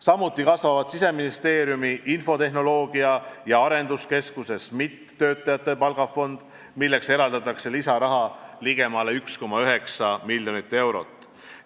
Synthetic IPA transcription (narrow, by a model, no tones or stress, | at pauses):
sɑmːut̪ːˑikɑsvɑvɑd̪̥sise̞minist̪e̞ːɾjumiʔinfo̞t̪e̞ɦno̞lo̞ːɡ̥iɑjɑɑɾe̞nd̪̥uske̞skuse̞smit̪ːø̞ːt̪ːˑɑjɑt̪ːe̞pɑlɡ̥ɑfo̞nd̪̥ | milːe̞kse̞ɾɑld̪̥ɑt̪ːˑɑkse̞lisɑɾɑɦɑliɡ̥e̞mɑːle̞yksko̞mɑyɦe̞ksɑmiljo̞nit̪ːˑe̞wɾo̞̰t̪ːˑ